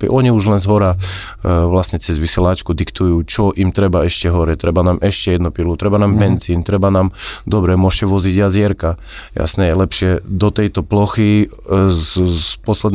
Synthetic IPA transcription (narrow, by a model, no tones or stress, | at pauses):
pḭʔɔɲiuʒlɛnzɦɔɾa | ʋlasɲɛt͡sɛzʋisɛlat͡ʃkud̪ikt̪ujuːt͡ʃɔʔimt̪ɾɛbaɛʃcɛɦɔɾɛt̪ɾɛbanaːmʔɛʃcɛjɛd̪nupilut̪ɾɛbanaːmbɛnziːnt̪ɾɛbanaːmd̪ɔbɾɛmʊɔʃcɛʋɔziɟazɪɛɾka | ja̰snɛjɛlɛpʃɪɛd̪ɔt̪ɛjt̪ɔplɔxi | pɔslɛd̪